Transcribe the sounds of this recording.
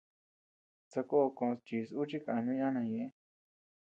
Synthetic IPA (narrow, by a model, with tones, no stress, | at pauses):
t͡sa˧ko˦˧kõ˧st͡ʃi˨su˦t͡ʃi˦ka˨a˧nũ˦ã˦nã˧jẽ˧˦